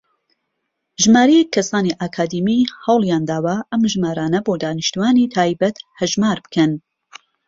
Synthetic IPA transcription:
ʒɨmaːɾɛjɛkʰːɐsaːniʔaːkʰaːd̪iːmihɐwlˠjaːnd̪aːwɐʔɐmʒmaːɾaːnɐboːd̪aːnɨʃt̪uaːnit̪ʰaːjbɐt̪hɐʒmaːɾbɨ̥kʰɐn

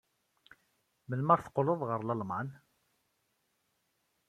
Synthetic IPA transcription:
məlməɾθə̥qːloðˤʁəɾlɑlman

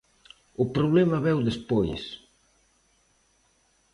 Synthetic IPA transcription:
ʊpɾoβ̞lɛmaβɛwðespojs

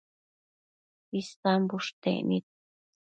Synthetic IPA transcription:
ist̪ambuʂt̪ḛʔnit̪̚

